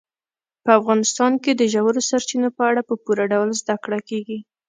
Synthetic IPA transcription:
pəafɣɑnɪst̪ɑnked̪əʒawəɾosaɾt͡ʃinopəaɽapəpuɾaɖawlzd̪akɽakeɡi

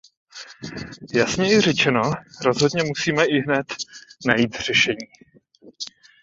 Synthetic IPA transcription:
jasɲɛjɪrɛt͡ʃɛno̞ɾo̞zɦo̞dɲɛmusiːmɛʔɪɦnɛt̪najiːt̪r̝̥ɛʃɛɲiː

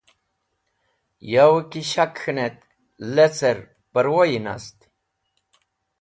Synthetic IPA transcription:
jawəkiɕakɨnet̪̚ | let͡sʰəɾ | pəɾwojina̰st̪i̥

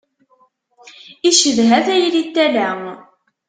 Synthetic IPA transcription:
iʃəvɦæθæjlit̪ːælæ

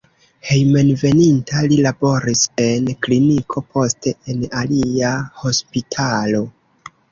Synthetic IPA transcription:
he̞jme̞nve̞nintalilabo̞ɾise̞nklinikʰo̞po̞ste̞enaliaho̞spitʰalo̞

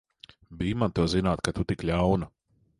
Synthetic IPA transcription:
biːmant̪uɔzinaːt̪kat̪ut̪ikʎʲawnu

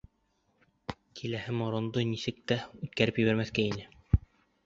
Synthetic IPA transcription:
kʰilæhɘmŏɾŏnd̪ɤnisɘk̚t̪æʉt̪̚kæɾɘpjɘ̆βæɾmæθkæinɘ

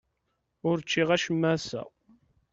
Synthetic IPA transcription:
ʊɾt͡ʃːiʁæʃəmːæsæ̰

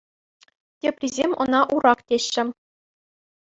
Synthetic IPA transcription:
tʲeprʲizʲemʲɤ̆nɑʔuɾɑktʲeɕːɘ̆

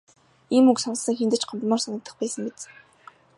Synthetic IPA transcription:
imuksɔnsə̆ŋxent̪ɘ̆t͡ɕɢɔmt̪mɔːrsanə̆k̚t̪ə̆χpæːsə̆ŋɡet͡s

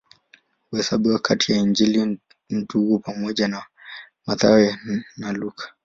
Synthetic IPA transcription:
uhɛsaɓiwakʰatʰijaind͡ʒili | n̩duɡupamɔʄana | maða̰wɛnalukḁ

